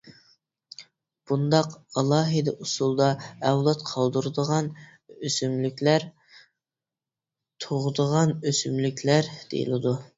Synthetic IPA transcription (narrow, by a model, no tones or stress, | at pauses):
b̥und̪ɑqɑlˠɑːɦɨd̪ɛʔusulˠd̪ɑɛwlˠɑt̪qʰɑlˠd̪uɾɨd̪əʁɑn | øsymlykʲlæɾ | t̪ʰoʁʊd̪əʁɑnøsymlykʲʰlæɾd̪̥ḛjḭlˠɨd̪u